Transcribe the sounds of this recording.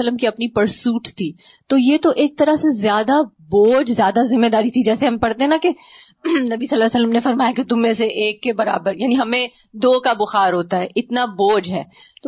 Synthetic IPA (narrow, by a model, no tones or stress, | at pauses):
əlːəmkiɐpnipɐɾsuːʈt̪ʰiːt̪oːjet̪oʔeːk̚t̪ɐɾaɦsezjaːd̪a | boːd͡ʒzjaːd̪azɪmːed̪aːɾit̪ʰid͡ʒɛːseɦɐmpɐɽt̪eɦɛ̃nake | nɐbisɐlːaːsəlːəmnefɐɾmaːjaket̪ʊmːẽseʔeːkːebɐɾa̰ːbəɾjaːniɦɐmẽd̪oːkabʊxaːɾɦoːt̪aɦɛːʔɪt̪naboːd͡ʒɦɛːt̪o